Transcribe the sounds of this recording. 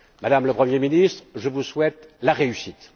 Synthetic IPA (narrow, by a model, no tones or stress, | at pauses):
mad̪amləpχəmjeminist̪χʒəvuswɛt̪laʁeysit̪